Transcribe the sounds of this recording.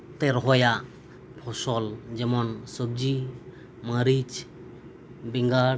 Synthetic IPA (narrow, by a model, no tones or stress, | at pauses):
t̪eɾɦɔja | pʰɔsɔld͡ʒɛmɔnsəb̚d͡ʒi | maɾit͡ʃ | biŋɡa